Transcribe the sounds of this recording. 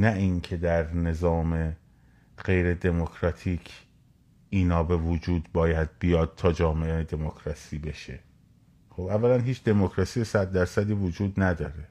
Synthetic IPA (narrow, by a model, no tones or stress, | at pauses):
næʔiŋcʰe̞d̪æɾne̞zɒːme̞ | ɢe̞jɾe̞d̪e̞mokʰɾɒt̪ʰiːcʰ | iːnɒːbe̞vod͡ʒuːd̪̚bɒːjæd̪̥̚bijɒːd̪̚t̪ʰɒːd͡ʒɒːmeʔed̪e̞mokʰɾɒsiːbe̞ʃe | xobævːælænɦiːt͡ʃʰd̪e̞mokɾɒsiːjesæd̪ːæɾsæd̪iːvod͡ʒuːd̪næd̪ɒːɾe̞